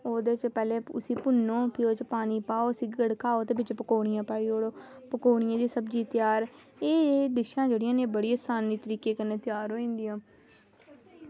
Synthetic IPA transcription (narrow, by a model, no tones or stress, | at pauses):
oːd̪eːt͡ʃpɛːleːʊsĩːpʊnːõːpʰɪot͡ʃpaːniːpaːoːsiːɡəɽkʰaːoːd̪eːbɪt͡ʃpəkoːɽ̃ɪjãːpaːiːoːɽoː | pəkoːɳ̃ɪjãːd̪iːsəbd͡ʒiːt̪ɪjaːɾ | eːd̪ɪʃãːd͡ʒeːɽɪjãːnẽːbəɽiːəsaːniːt̪əɾiːkeːkənːeːt̪ɪjaːɾɦoːĩːnd̪ɪjãː